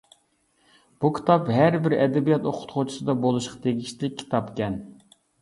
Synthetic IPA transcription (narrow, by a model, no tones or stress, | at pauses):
b̥ukʲʰi̥t̪ʰɑpɦæɾbɪɾɛd̪ɛbijɑt̪oqʰʊ̥t̪χot͡ʃʰu̥sɨd̪ɑbolˠuʃqɑ̥t̪ʰeɡʲiʃt̪lɪk̚ʲʰːi̥t̪ʰɑpkʲʰɛn